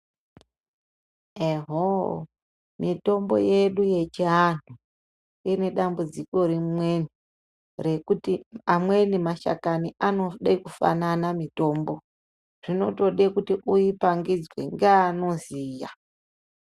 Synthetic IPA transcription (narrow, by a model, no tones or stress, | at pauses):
eɦo | mito̞mbo̞̰je̞ɗuje̞t͡ʃian̤u | ine̞ɗambud͡ziko̞ɾimwe̞ni | re̞kutiamwenimaʃa̰kaniʔano̞ɗekufa̰nanamito̞ːmbo̞ | ʐ̥ino̞to̞ɗekutiʔujipaŋɡid͡zwḛŋɡeano̞ziːja̰